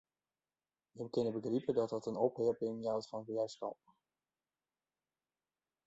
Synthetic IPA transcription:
əmkɪnəbəɡripədɑt̚dətənɔpɦɪɹpɪŋjawtfɑnəbəlɛjskɑ̰p̚

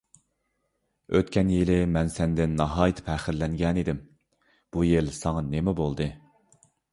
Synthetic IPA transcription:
øt̪kʲʰɛnjelɪmɛnsɛnd̪ɪnːɑɦɑːjt̪ʰɪ̥pʰæχɪɾlɛŋɡʲɛnid̪ɪm | b̥ujelsɑŋɑnemɛbolˠd̪ɨ

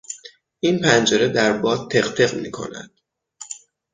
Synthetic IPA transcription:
ʔinpʰænd͡ʒeɾed̪æɾbɒːd̪̚t̪ʰe̞χt̪ʰe̞ɣmiːkʰo̞̰næ̰d̪̥

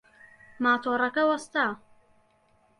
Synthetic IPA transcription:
maːt̪ʰoːrˤɐkɐwɐst̪aː

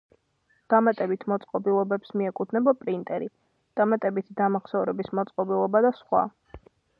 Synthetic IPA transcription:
d̪̥amat̪ʼɛbit̪ʰmɔt̪sʼqʼɔbilˠɔbɛpsmiɛkʼut̪ʰnɛbɔpʼɾint̪ʼɛɾi | d̪̥amat̪ʼɛbit̪ʰid̪amaχsɛvɾɛbismɔt̪sʼqʼɔbilˠɔbad̪asχwa̰

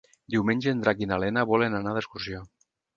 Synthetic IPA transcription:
d̪iwmeɲʲʒend̪ɾakinalenaβɔlenanaðəskursijo

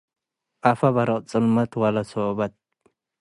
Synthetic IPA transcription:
ʔɐfɐβɐɾɐt͡sʼɨlmɐt̪wɐlɐsoːbɐt̪̚

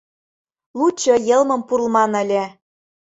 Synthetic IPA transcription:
lut͡ɕːɤjɤ̆lˠmɤ̆mpurlˠmɑnə̆lʲe

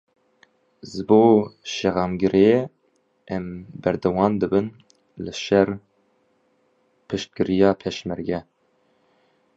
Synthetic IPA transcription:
zɨboːʃɛɣɑːmɡɨɾʔe | ʔɛmbɛɾd̪ɛwɑːnd̪ɨbɨn | lɨʃɛr | pʰɨʃt̪̚kɨɾijɑːpʰɛʃmɛɾɡɛ

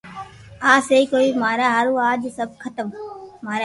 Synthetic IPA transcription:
aːseiːkoːiːmaːɾaːɦəɾũːaːd͡ʒsəb̚kʰət̪əmmaːɾ

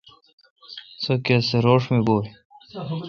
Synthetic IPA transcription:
sokeseɾoːʂmeboː

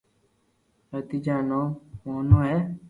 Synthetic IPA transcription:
ət̪iːd͡ʒaːnõːmoːnõːɦɛː

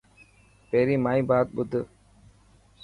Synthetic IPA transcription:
peɾimaibaːt̪̚bud̪ɨ

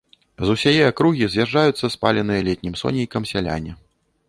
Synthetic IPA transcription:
zusʲajɛakɾuɣʲizʲjaʐːajut̪sːɐspa̰lʲɛn̪ɨjɐlʲɛtʲnʲimsɔ̰nʲijkɐmsʲalʲa̰nʲɛ

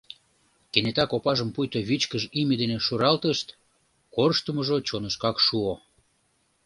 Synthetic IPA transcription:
kenet̪ɑkopɑʒəmpujt̪oβit͡ɕkəʒimʲed̪eneʃuɾɑlt̪əʃt̪ | korʃt̪əməʒot͡ɕonəʃkɑkʃuo

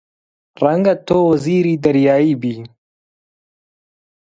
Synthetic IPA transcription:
rɐŋɡat̪oːwɐziːɾiːd̪ɐɾjaːiːbiː

